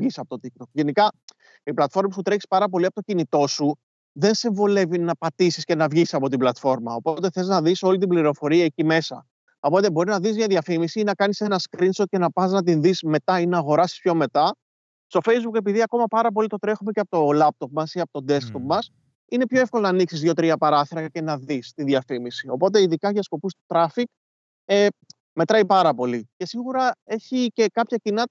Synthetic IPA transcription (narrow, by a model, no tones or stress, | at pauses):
ʝisɐpo̞t̪ot̪ik̚t̪o̞kʝe̞nikɐ | iplɐt̪fo̞ɾmes̬ut̪ɾe̞çi̥spɐɾɐpo̞liɐpo̞t̪ocinit̪o̞su | ðe̞nsiɱvo̞le̞vinɐpɐt̪isisce̞nɐvʝisisɐpo̞t̪iblɐt̪fo̞ɾmɐo̞po̞t̪e̞θeznɐðiso̞lit̪ibliɾo̞fo̞ɾiɐecime̞sɐ̰ | o̞po̞t̪e̞bo̞ɾiznɐðizmɲɐðʝɐfimisiinɐkɐnise̞nɐskɾinsocenɐpɐznɐt̪̬inðisme̞t̪ɐinɐːɣo̞ɾɐsi̥spço̞me̞t̪ɐ | st̪o̞fe̞jzbuke̞piðiɐko̞mɐpɐɾɐp̬o̞lit̪o̞t̪ɾe̞xume̞ceɐpot̪o̞lɐp̚t̪o̞p̚mɐsiɐpot̪o̞d̪e̞skt̪o̞p̚mɐs | ine̞pço̞e̞fko̞lonɐːniksizðjo̞t̪ɾiɐpɐɾɐθiɾɐce̞nɐðist̪iðjɐfimisio̞po̞t̪̬e̞iðikɐʝɐsko̞pust̪u̥t̪ɾɐfik̚ | e | me̞t̪ɾɐipɐɾɐpo̞lice̞siɣuɾɐe̞çicekɐpçɐcinɐ